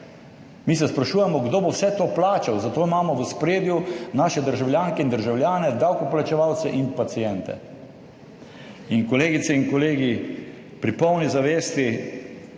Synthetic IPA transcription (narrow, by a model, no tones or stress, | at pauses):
misɛspɾaʃuːjɛmɔɡd̪oːbowsɛt̪oːplaːt͡ʃawzat̪oːimaːmɔʋəspɾeːd̪junaːʃɛd̪əɾʒawljaːŋkɛind̪əɾʒawlʲjaːnɛd̪awkɔplat͡ʃɛʋawt̪sɛʔinpat̪sijɛnt̪ɛ̰ | inkɔleːɡit̪sɛiŋkɔleːɡi | pɾipɔwnizaʋeːst̪i